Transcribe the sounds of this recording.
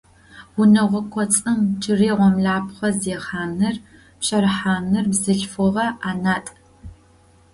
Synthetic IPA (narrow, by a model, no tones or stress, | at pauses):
wʊnɐʁʷɔkʷʰɔt͡sʼɨmt͡ʃʰɨreːʁʷɔmɮaːpχɐzeːχaːmnɨr | pɕɐɾħaːmnɨrbzɨɬfɔʁɐaːnaːtʼ